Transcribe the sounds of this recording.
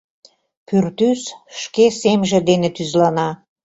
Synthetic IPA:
pyrt̪ysʃkesemʒĕd̪enet̪yzlɑnɑ

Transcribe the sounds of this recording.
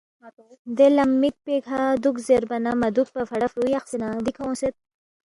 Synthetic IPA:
d̪elɐmːik̚pekʰad̪ukzeɾbɐnamɐd̪uk̚pafɐɽafɾujaxsinad̪ikʰawõset̪̚

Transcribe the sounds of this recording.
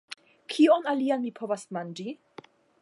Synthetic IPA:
kʰionalianmipʰo̞vasmand͡ʒi

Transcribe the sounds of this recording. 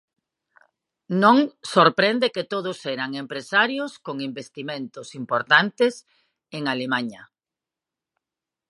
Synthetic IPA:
nõŋsoɾpɾend̪eket̪oð̞ʊsɛɾaŋempɾesaɾjoskoŋimbest̪imẽnt̪ʊsimpoɾt̪ant̪es | eŋalemaɲɐ

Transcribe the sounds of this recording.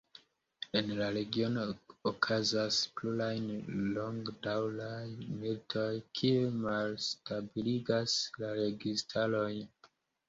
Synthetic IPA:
e̞nlaɾe̞ɡio̞nookʰazasplulajnlo̞ŋɡdawlajmiltʰo̞jkʰiemalstabiliɡaslaɾe̞ɡistʰalo̞j

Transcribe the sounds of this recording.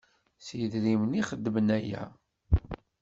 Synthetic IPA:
siðɾimniχəd̪ːəmənæjæ̰

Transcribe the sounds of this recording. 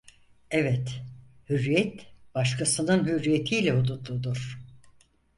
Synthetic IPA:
ɛvɛt̪hyɾːijɛt̪b̥aʃkʰasɯnɯnɦyɾːijet̪ʰiːlʲɛod̪ud̪ud̪uɾ̥

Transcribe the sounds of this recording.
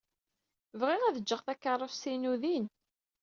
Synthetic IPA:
vʁɪʁæðəd͡ʒːəʁθækːərˤːəfsinuðin

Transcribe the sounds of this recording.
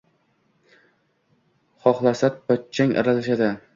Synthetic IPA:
χɒχlˠasat̪̚pɒt̪̚t͡ʃʰːaŋʔa̰ɾalaʃad̪ɪ

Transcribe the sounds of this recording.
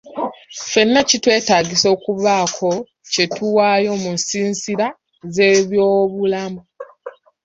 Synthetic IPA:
fe̞nːacitwe̞ːtaːɟiso̞ːkuβaːkʰo̞ | ce̞tuwaːjo̞munsiːnsiɾa | ze̞ːβjo̞ːβulamu

